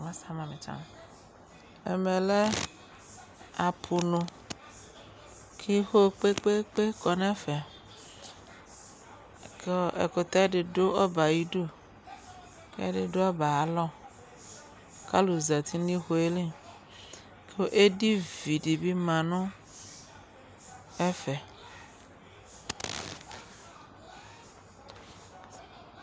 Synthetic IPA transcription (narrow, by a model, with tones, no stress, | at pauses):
mã˦sa˦mã˨mẽ˨t͡ʃa̰˦m | ḛ˨me˨le˦ | a˨pʰu˨nũ˨ | kʰi˦xo˦˨k͡pe˦k͡pe˦k͡pe˦kɔ˨nɛ̃˦fɛ˨ | ke˦ḛ˨ko˨t̪a˦ɖɪ˨ɖo˦ɔ˦ba˨ji˦du˦ | ke˦a̰˦ɖɪ˨ɖo˦a˦ba˨a˨lɔ˦ | ka˦lo˨za˨t̪ʰi˦nĩ˦xo˨e˦li˦ | ke˦wo˦ʔe˦di˦vi˨ɖi˨bi˦mã˨nũ˦ | ɛ˦fɛ˨